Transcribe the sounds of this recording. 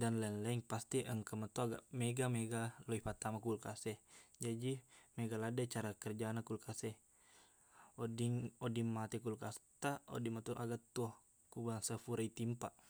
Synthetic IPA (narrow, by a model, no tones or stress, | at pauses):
danlanlaiŋpast̪iʔəŋkəmat̪uaɡa̰ʔmɛɡameɡaloipat̪amakulkasɛhd͡ʒadimeɡaladɛt͡ʃaɾakərd͡ʒanakulkasɛh | odiŋodiŋmat̪ɛkulkast̪ao̰dimat̪uʔaɡat̪uɔh | kubaŋsəfuɾait̪impaʔ